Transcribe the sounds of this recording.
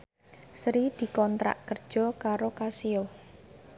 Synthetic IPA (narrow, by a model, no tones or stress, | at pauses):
sɾid̪̥i̤kɔnt̪ɾa̰ʔkərd̥ʒ̥ɔ̤kaɾokasio